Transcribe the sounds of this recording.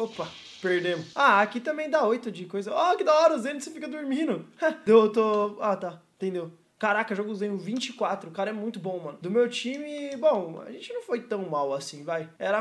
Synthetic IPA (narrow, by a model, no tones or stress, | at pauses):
opɐ | peɾd̪ẽmʊsaakit̪ɐ̃mẽj̃d̪aojt̪ʊd͡ʒɪkojzɐɔakid̪aɔɾɐʊzẽnd̪ʊsẽpʊked̪ʊɾmĩnʊad̪ewt̪oat̪aĩt̪ẽd̪ew | kaɾakɐʒoɡʊzẽj̃ʊvĩt͡ʃɪkwat̪ɾʊkaɾɐɛmũj̃t̪ʊbõmɐ̃nʊd̪ʊmewt͡ʃĩmɪbõw̃a̰ʒẽnt͡ʃɪnɐ̃w̃fojt̪ɐ̃w̃mawasĩvajɛɾɐ